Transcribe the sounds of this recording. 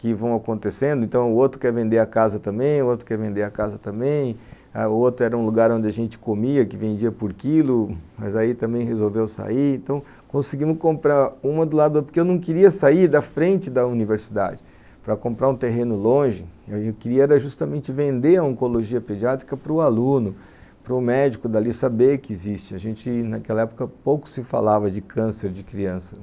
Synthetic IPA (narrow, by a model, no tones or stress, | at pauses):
kɪvɐ̃w̃akõnt̪esẽnd̪ʊẽnt̪ɐ̃w̃ʊot̪ɾʊkɛɾvẽnd̪eɾɐkazɐt̪ɐ̃mbẽj̃ʊot̪ɾʊ̥kɛɾvẽnd̪eɾɐkazɐt̪ɐ̃mbẽj̃ | a̰ʊot̪ɾʊɛɾɐũluɡaɾõd͡ʒɪɐʒẽnt͡ʃɪ̥komiɐkɪvẽnd͡ʒiɐpoɾkilʊmɐ̰zait̪ɐ̃mbẽj̃ɦezowvewsa̰iɾẽnt̪ɐ̃w̃ | kõsiɡĩmʊkõmpɾaɾũmɐd̪ʊlad̪ʊd̪poɾkeewnɐ̃w̃kɪɾiɐsaiɾd̪ɐfɾẽnt͡ʃɪd̪ɐuniveɾsid̪a̰d͡ʒɪ | pɾɐkõmpɾaɾũt̪eɦẽnʊlõʒɪkɪɾiɐɛɾɐʒust̪ɐmẽnt͡ʃɪvẽnd̪eɾɐõŋkoloʒiɐped͡ʒiat̪ɾi̥kɐpɾʊalũnʊ | pɾʊmɛd͡ʒikʊd̪ɐlisɐbekɪːzist͡ʃɪɐʒẽnt͡ʃɪnɐkɛlɐɛpʊ̥kɐpowkʊ̥sɪfa̰lavɐd͡ʒɪkʰɐ̃seɾd͡ʒɪkɾiɐ̃sɐ̥